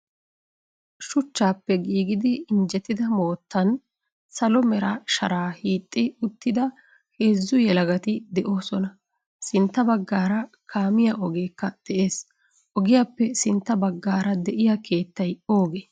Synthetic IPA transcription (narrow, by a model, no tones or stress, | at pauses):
ʃʊt͡ʃːaːpːɛɡiːɡɪd̪ɪːnd͡ʒɛt̪ːɪd̪ɐmo̞ːt̪ːɐn | sɐlɔmɛɾaʃɐ̰ɾaːhiːt̪ʼːɪʊt̪ːɪd̪ɐ | he̞ːzːʊjɛlɐɡɐt̪ɪd̪ɛʔo̞ːsɔnɐ | sɪnt̪ːɐbɐɡːaːɾɐ | kʰaːmɪjaʔɔɡe̞ːkːɐd̪̥ɛʔe̞ːs | ʔɔɡɪjaːpːɛsɪnt̪ːɐbɐɡːaːɾɐd̪ɛʔɪjakʰe̞ːt̪ːɐjo̞ːɡeː